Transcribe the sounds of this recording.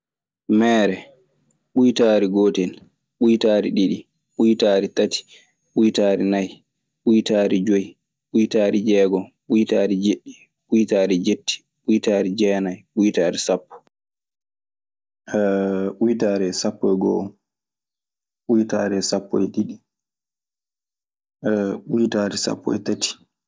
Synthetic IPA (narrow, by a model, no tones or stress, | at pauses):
mɛːɾɛ | ɓujtaːɾiɡoːtɛn | ɓujtaɾiɗiɗi | ɓujtaːɾitati̥ | ɓujtaːɾinaj | ɓujtaːɾid͡ʒoj | ɓujtaːɾid͡ʒɛːɡɔ | ɓujtaːɾid͡ʒeɗːi | ɓujtaːɾid͡ʒetːi̥ | ɓujtaːɾid͡ʒɛnajɓujtaːɾisapːɔ̥ | ɛɓujtaːɾɛsapːɔɡɔ̰ | ɓujtaːɾɛsapːɔ̰jɗiɗi | ɛɓujtaːɾisa̰pːɔ̰jtatʰi̥